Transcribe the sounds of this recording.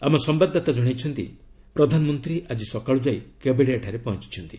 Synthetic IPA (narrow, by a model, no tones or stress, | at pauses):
amɔsɔmbad̪ʱːat̪ad͡ʒɔɽ̃ajt͡ʃʰɔnt̪ḭ | pɾɔd̪ʱanɔmɔnt̪ɾiʔad͡ʒisɔkaɭud͡ʒajkebeɽeaʈʰaɾepɔɦɔnt͡ʃi̥t͡ʃʰɔnt̪i